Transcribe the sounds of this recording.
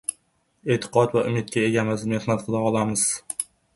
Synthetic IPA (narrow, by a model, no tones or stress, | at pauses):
et̪ʰɨ̥qʰɒt̪vaʔʊmɪt̪̚kʲaeɡʲamɪzmehnat̪̚qʰɨlˠaɒlˠamɪz̥